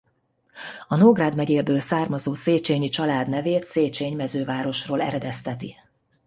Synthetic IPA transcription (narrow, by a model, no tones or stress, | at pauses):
ɒnoɡraːd̪mɛɟeːlbøːlsaːrmɒzoːseːt͡ʃeːɲit͡ʃɒlaːd̪nɛveːt̪seːt͡ʃeːɲmɛzøːvaːɾo̞ʃroːlɛ̰ɾɛd̪ɛst̪ɛt̪i